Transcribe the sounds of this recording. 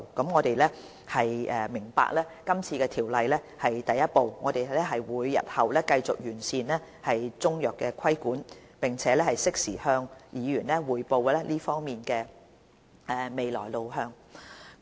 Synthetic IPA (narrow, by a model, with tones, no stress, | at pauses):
kɐ˨˥mŋɔː˨˧t̪e˨jlɛː˥ | hɐ˨jɛː˨˧mɪ˨˩ŋpa̰ː˧˥k̚lɛː˥kɐ˥mt͡sʰiː˧kɛː˧t̪ʰiː˨˩wlɐ˨jlɛː˥ | hɐ˨jt̪ɐ˨jːɐ˥t̚po˨˧wŋɔː˨˧t̪e˨jɛ˥ɦɐ˨jwuː˨˧jːɐ̰˨t̚hɐ˨wlɛː˥kɐ˧jt͡sʊ˨k̚jyː˨˩nsiː˨˧nlɛː˥ | hɐ˨jt͡sʊ˥ŋjœː˨kːɛː˧kʷʰɐ˥jkuː˨˥npɪ˨˩ŋt͡sʰɛː˨˦˥lɛ˥hɐ˨jsɪ˥k̚sḭː˨˩hœː˧ŋjiː˨˧jyː˨˩nlɛː˥wuː˨jpo˧wlɛː˥liː˥fɔː˥ŋmiː˨˩nkɛː˧ | ɛː˨˩me˨jlɔ̰ː˨˩jlo˨wɦœː˧ŋ